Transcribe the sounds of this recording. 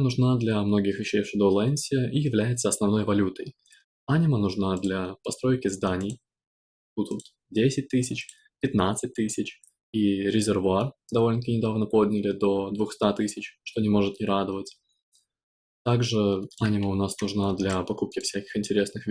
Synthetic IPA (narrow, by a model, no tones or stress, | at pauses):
nʊʐnad̪lʲɐmno̞ɡʲɪxvʲɪɕːejfʂɨd̪olˠɛnʲsʲɪijɪvlʲæjɪt̪səɐsnɐvno̞jvɐlʲut̪əj | anʲɪmənʊʐnad̪lʲɐpɐst̪ɾo̞jkʲɪzd̪anʲɪj | kut̪ut̪ | dʲesʲɪt̚ʲt̪ɨsʲɪt͡ɕ | pʲɪt̪nat̪sɨt̚ʲt̪ɨsʲɪt͡ɕ | iɾʲɪzʲɪrvʊard̪ɐvo̞lʲnʲəkʲɪnʲɪd̪avnəpo̞d̪ʲnʲɪlʲɪd̪o̞d̪vʊxst̪at̪ɨsʲɪt͡ɕʂt̪o̞nʲɪmo̞ʐɨt̪nʲɪɾad̪əvətʲ | t̪aɡʐɨanʲɪməʊnasnʊʐnad̪lʲɐpɐkup̚kʲɪfsʲækʲɪ̥xɪnʲtʲɪɾʲe̞snɨxvʲ